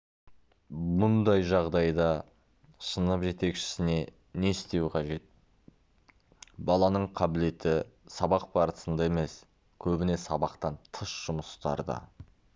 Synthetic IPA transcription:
mʊnd̪ɑjʒɑʁd̪ɑjd̪ɑ | sənəpʒe̞t̪e̞kʃɪ̥sɪne̞ | ne̞ɪst̪e̞wqʰɑʒe̞t̪̚ | bɑlˠɑnəɴqʰɑbɪle̞t̪ɪsɑbɑq̚bɑɾəsənd̪ɑe̞me̞s | kʲʰɵbɪne̞sɑbɑqt̪ɑnt̪ʰəʃʒ̥ʊməst̪ɑ̰ɾd̪ɑ̰

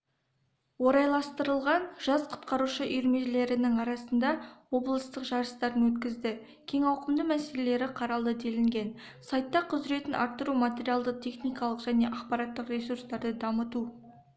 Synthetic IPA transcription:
wo̞ɾɑjlˠɑst̪əɾəlˠʁɑnʒɑsqʰʊ̥t̪̚qɑɾuʃəʔʏjɾme̞ʒle̞ɾɪnɪŋɑɾɑsənd̪ɑwo̞blˠəst̪əqʒɑɾəst̪ɑɾənwɵt̪kʲɪzd̪ɪ | kʲʰe̞ŋɑwqəmd̪əmæse̞le̞le̞ɾɪqʰɑɾɑlˠd̪əd̪e̞lɪŋɡʲe̞n | sɑjt̪ːɑqʰʊzɪɾe̞t̪ɪnʔɑ̰ɾt̪ːəɾumat̪ʲe̞ɾʲijalˠd̪əqt̪ʰe̞χnijkɑlˠəqʒ̥æne̞ʔɑqpɑɾɑt̪ːəqrʲe̞surst̪ɑɾd̪əd̪ɑmət̪u

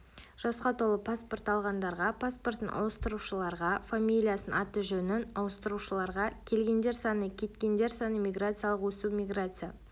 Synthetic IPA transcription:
ʒ̥ɑsqɑt̪ʰo̞lˠəpʰaspo̞rt̪ɑlˠʁɑnd̪ɑɾʁɑpʰaspo̞rt̪ənɑ̰wəst̪əɾuʃəlˠɑɾʁɑfamʲijlʲijasənɑt̪əʒɵnɪnɑwəst̪əɾuʃəlˠɑɾʁɑkʲʰe̞lɡʲe̞nd̪e̞ɾsɑnəkʲʰe̞t̪kʲe̞nd̪e̞ɾsɑnəmʲijɡrat̪sɨijalˠəqwɵsumʲijɡrat̪sɨja

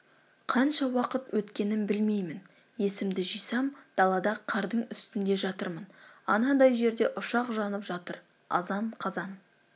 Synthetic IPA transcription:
qʰɑnʃɑwɑqət̪wɵt̪kʲe̞nɪnbɪlme̞jmɪn | je̞sɪmd̪ɪʒijsɑmd̪̥ɑlˠɑd̪ɑqʰɑɾd̪əɴʏst̪ɪnd̪e̞ʒɑt̪əɾmənɑnɑd̪ɑjʒe̞ɾd̪e̞ʔʊʃɑqʒɑnəpʒɑt̪əɾ | ɑ̰zɑɴqʰɑzɑn

